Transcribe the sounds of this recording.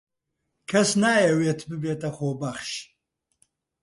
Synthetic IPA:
kʰɐsnaːjɛweːt̪ʰbɨbeːt̪ʼɐχoːbɐχʃ

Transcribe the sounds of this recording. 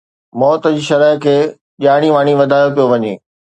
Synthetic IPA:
mɔːt̪d͡ʑiːʃɐɾəɦkʰeː | ʄaːɽ̃iʋaːɽ̃iʋɐd̪ʱaːjopijoʋɐɲḛː

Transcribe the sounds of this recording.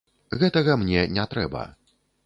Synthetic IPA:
ɣɛt̪ɐɣɐmnʲɛnʲɛt̪ɾɛbɐ̰

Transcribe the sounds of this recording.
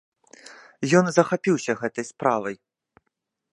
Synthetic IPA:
jɔnzɐxapʲiwsʲɐɣɛt̪ɐjspɾavɐj

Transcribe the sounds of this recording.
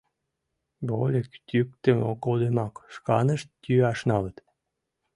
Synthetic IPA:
bolʲekt̪ʲyk̚t̪əmokold̪emɑkʃkɑnəʃt̪ːʲyɑʃnɑlət̪

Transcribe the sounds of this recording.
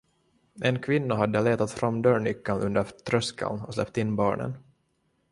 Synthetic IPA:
ɛnkʰvɪnːaɦad̪ːəleːt̪at̪fɾamːd̪œːɳʏkːanʔɵnd̪əɾt̪ʰɾœskʰa̰lnɔslɛ̰p̚t̪ɪnːbɑːɳə̰n

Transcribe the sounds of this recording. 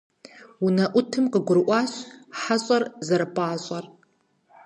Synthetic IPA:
unɐʔʷʊtʰɨmqəɡʷʊɾɨʔʷɑːɕħaɕʼɐrzɐɾɐpʰʼaːɕʼɐr

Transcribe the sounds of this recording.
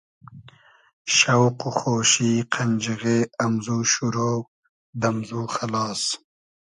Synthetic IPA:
ʃawquxoːʃiqʰand͡ʒiɣeːamzuːʃuɾo | d̪amzuːxalɑːs

